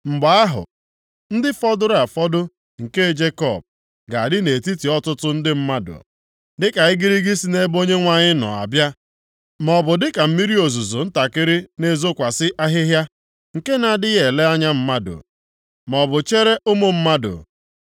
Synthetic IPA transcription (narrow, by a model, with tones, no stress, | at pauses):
ŋ͡m̩˨ɡ͡ba˨a˦ɦʊ̰˨ | n̩˦dɪ˦fɔ˦dʊ˦ɾa˨fɔ˦dʊ˦ | ŋ̩˨ke˦e˨d͡ʒe˦kɔ˨b̚ | ɡa˨a˨dɪ˦ne˨ti˦ti˨ɔ˦tʊ˦tʊ˦n̩˦dɪ˦m̩˦ma˦dʊ̰˨ | dɪ˦ka˨ɪ˦ɡi˦ɾi˦ɡi˦si˨ne˦bo˦ɲe˦ŋʷa˨ɲɪ˦nɔ̰˨a̰˨bja˦ | mɔ˨bʊ˨dɪ˦ka˨m̩˦mi˦ɾi˦o˨zu˨zo˨n̩˦ta˨kɪ˦ɾɪ˦ne˦zo˦kʷa˨sɪ˦ʔa˦ɦɪ˦ɦja˦ | ŋ̩˨ke˦na˨dɪ˦je˨le˦a˦ɲa˦m̩˦ma˦dʊ̰˨ | mɔ˨bʊ˨t͡ʃe˦ɾe˦ʔʊ˦mo˦m̩˦ma˦dʊ̰˨